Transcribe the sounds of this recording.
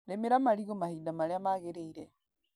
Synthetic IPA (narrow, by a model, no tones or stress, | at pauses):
ɾemeɾamaliɣomahidamaɾeamaɣeɾeiɾe